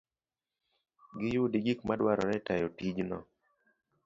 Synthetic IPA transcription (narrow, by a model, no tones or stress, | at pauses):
ɡɪjʊdiɡikmadwaɾɔɾɛtajɔtid͡ʒnɔ̰